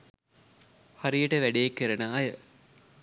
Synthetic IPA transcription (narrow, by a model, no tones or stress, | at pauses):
haɾijəʈəʋæɖejekːeɾɐnaːjə